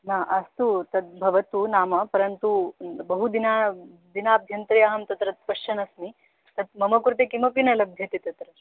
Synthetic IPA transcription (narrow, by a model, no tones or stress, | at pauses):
naːʔɐst̪ut̪ɐt̪̚bʱɐʋɐt̪unaːmɐpɐɾɐnt̪ubɐɦud̪ina | d̪inaːb̪ʱjɐnt̪ɾijaːɦɐmt̪ɐt̪ɾɐt̪̚pɐʂʃt͡ʃɐnɐsmi | t̪ɐt̪̚mɐmɐkɾut̪̬ekimɐpinɐlɐbʱjɐt̪it̪ɐt̪ɾɐ